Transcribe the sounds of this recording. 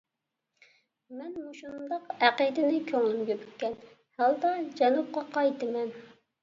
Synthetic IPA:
mɛnmuʃund̪ɑqæqəd̪ɪnɪkʲʰøŋylɡʲɛbyɛn | hælˠd̪ɑd͡ʒɛnup̚qɑqʰɑjt̪ʰɨmɛn

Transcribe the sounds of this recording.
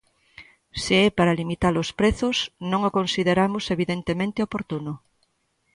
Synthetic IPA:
seɛpaɾalimit̪alospɾeθʊsnõŋokonsiðeɾamʊseβiðent̪emẽnt̪eopoɾt̪uno

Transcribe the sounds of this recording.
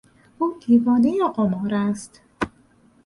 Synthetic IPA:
ʔuːd̪iːvɒːnejeɢomɒːɾæst̪

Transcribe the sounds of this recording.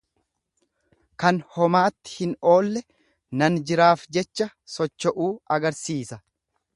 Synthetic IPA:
kɐnhɔmaːt̪ːɪ̥hɪno̞ːlːɛ | nɐnd͡ʒɪɾaːfd͡ʒɛt͡ʃːɐsɔt͡ʃːɔʔuːɐɡɐɾsiːsɐ

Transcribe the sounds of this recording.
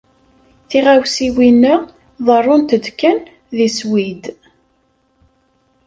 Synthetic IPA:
θiʁæwsiwinːə | ðˤərˤːʊnt̪əd̪kːən | ðiswid̪

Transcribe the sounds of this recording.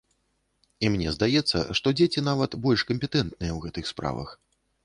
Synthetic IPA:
imnʲɛzd̪ajɛt̪sːɐ̰ʂt̪ɔd͡zʲet͡sʲin̪avɐt̪bɔlʲʂkɐmʲpʲɛt̪ɛnt̪̚nɨjɛwɣɛt̪ɨxspɾa̰vɐ̰x

